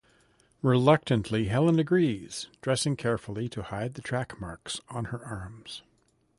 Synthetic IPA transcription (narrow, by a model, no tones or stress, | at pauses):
ɹɪlʌk̚tɨ̃nʔʰliɦɛlˠə̃nɨɡɹiz̥d̥ɹɛsɪ̃ŋkʰɛɹfl̩ˠiɾɨhaɪd̪̚ðɨtʰɹ̥ækmɑɹksn̩ə˞ʔɑɹmz̥